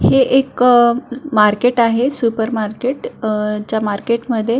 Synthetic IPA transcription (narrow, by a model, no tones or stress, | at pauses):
heʔek | maɾkeʈaɦesupəɾmaɾkeʈt͡ɕjamaɾkeʈməd̪ʱːje